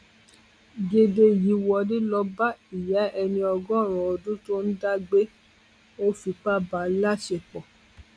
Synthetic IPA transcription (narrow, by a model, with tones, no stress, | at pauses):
ɡe˧de˧ji˨˦wɔ˧nĩ˦lɔ˧ba˦i˨ja˨˦ɛ˧nĩ˧ɔ˧ɡɔ̃˦˨ɾ̃ũ˨o˧˨dũ˦to˦n̩˦da˦ɡ͡be˦ | o˦fi˧k͡pa˦˨ba˨la˦ʃe˧˨k͡pɔ˨